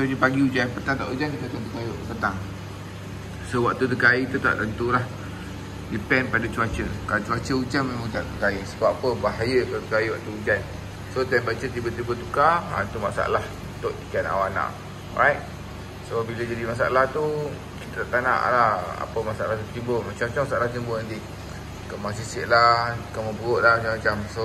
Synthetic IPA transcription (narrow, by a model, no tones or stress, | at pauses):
soɲəpaɡiud͡ʒanpət̪aŋt̪a̰ʔud͡ʒankit̪at̪at̪əkajopət̪aŋ | sowak̚t̪ut̪əkait̪ut̪a̰ʔt̪ənt̪ulah | dipɛnpadat͡ʃuat͡ʃəkat͡ʃuat͡ʃəud͡ʒanmẽmãŋt̪a̰ʔt̪əkaisəbapəbaɦajəkat̪əkaiwaʔ̚t̪uud͡ʒan | sot̪ɛnbat͡ʃət̪ibət̪ibət̪ukaa̰nt̪umasa̰a̰lahunt̪oʔtikana̰wana̰ʔ | ɾajt̚ | sobiləd͡ʒadimas̬a̰a̰laht̪u | kit̪at̪aʔt̪ana̰ʔlaha̰pəmasaʔalaht̪ut̪imbəmat͡ʃamat͡ʃamasaʔlaht̪imbənant̪i | kəmasisiʔlahkamobəɣoʔlahmat͡ʃamat͡ʃamso